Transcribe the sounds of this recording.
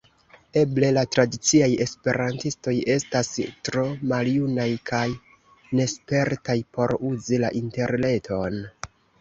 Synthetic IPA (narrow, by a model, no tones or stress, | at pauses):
e̞ble̞latɾadit͡siaje̞spe̞̰ɾantisto̞je̞stastɾo̞maljunajkʰaj | ne̞spe̞ɾtajpo̞ɾuzila̰ʔinte̞ɾle̞tʰo̞n